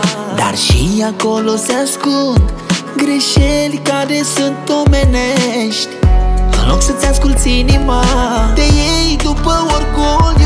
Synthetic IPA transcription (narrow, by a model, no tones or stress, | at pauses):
d̪a̰ɾʃijakoloseaskunt̪ɡɾeʃelʲkaɾesɨnt̪omeneʃt̪ʲpə̰noksət͡seaskult̪sinimad̪ejejd̪upəwoɾkolʲ